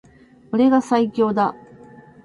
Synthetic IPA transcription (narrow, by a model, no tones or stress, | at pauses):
oɾe̞ɡasaikʲo̞ːd̪a